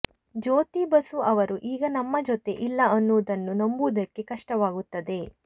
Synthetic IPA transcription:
d͡ʒoːt̪ibɐsuɐʋɐɾuʔiːɡɐnɐmːɐd͡ʒot̪e̞ʔilːɐɐnːuːd̪ɐnːunɐmbud̪ɐkːe̞kɐʂʈɐʋaːɡut̪ːɐd̪e̞

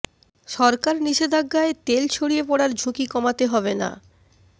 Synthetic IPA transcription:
ʃɔɾkaɾniʃed̪ʱaɡːaet̪elt͡ɕʰoɽijepɔɽaɾd͡ʑʱukikɔmat̪eɦɔbena̰

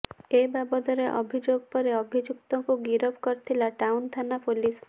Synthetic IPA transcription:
ebabɔd̪ɔɾeʔɔ̰bʱid͡ʒoɡpɔɾeɔbʱid͡ʒuk̚t̪ɔkuɡiɾɔbkɔɾt̪ʰilaʈawnt̪ʰanapulis

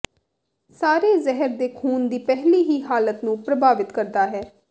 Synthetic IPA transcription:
saːɾeːzɛɦəɾd̪eːkʰuːnd̪iːpɛɦliːɦiːɦaːlət̪nũːpɾəbaːʋɪt̪kəɾd̪aːɦɛː

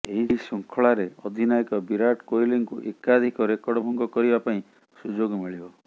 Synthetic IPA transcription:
eɦisuŋkʰɔɭaɾeɔd̪ʱinajikɔbiɾaʈkojliŋkuʔekad̪ʱikɔɾekɔɽɔbʱɔŋɡɔkɔɾibapaĩ | sud͡ʒoɡmiɭibɔ

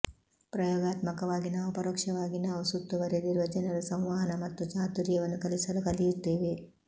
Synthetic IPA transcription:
pɾɐjɔːɡaːt̪mɐkɐʋaːɡinaːʋupɐɾoːkʂɐʋaːɡinaːʋusut̪ːuʋɐɾeniɾʋɐd͡ʒɐnɐɾɐsɐ̃w̃ʋaːɦɐnɐmɐt̪ːut͡ʃaːt̪uɾjɐʋɐnːukɐlisɐlukɐlijut̪ːeːʋe

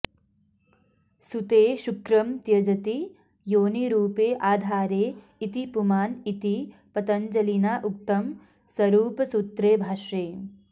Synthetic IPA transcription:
sut̪eːʃukɾɐmt̪jɐd͡ʒɐt̪i | joːniɾuːpeːʔaːd̪ʱaːɾeː | it̪ipumaːnit̪ipɐt̪ɐnd͡ʒɐlinaːʔuk̚t̪ɐm | sɐɾuːpɐsut̪ɾeːbʱaːʃɾeː

